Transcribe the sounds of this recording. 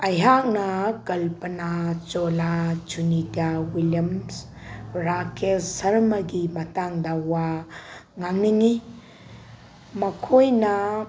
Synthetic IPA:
ɐjɦak̚nɐɡɐlpɐnat͡ʃɔlat͡ʃunidawiljɐms | ɾakʰessɐɾmɐɡimɐtaŋdɐwa | ŋaŋniŋi | mɐkʰojnɐ

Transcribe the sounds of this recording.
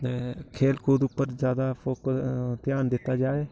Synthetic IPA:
t̪eːkʰeːlkʰuːd̪ʊpːəɾzjaːd̪aːpʰoːkt̪jaːnd̪ɪt̪ːaːd͡ʒaːeː

